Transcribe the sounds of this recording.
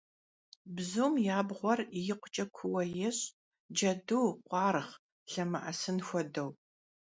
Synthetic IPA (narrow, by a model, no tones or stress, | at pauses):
bzuːmjaːbʁʷɔrijɪqʷʊt͡ʃʼɐkʷʰʊwɐjɪɕ | d͡ʒɐduːqʷɑːɾɨχ | ɬɐmɨʔɐsɨnxʷɔdɐw